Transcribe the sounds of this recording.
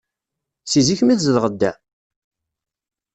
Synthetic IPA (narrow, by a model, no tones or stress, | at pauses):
siziçmiθzəlʁəd̪ːæ